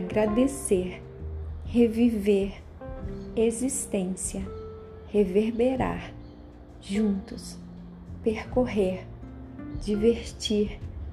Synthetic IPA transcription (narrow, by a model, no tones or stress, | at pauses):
ɡɾad̪eseɾ | heviveɾ | ezist̪ẽsjɐ | heveɾbeɾa̰ɾ | ʒũnt̪ʊs | peɾkoɦeɾ | d͡ʒiveɾt͡ʃiɾ